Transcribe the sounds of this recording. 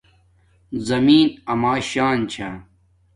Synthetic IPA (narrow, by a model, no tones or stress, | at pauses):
zɐmiːnɐmaːɕaːnt͡ɕʰa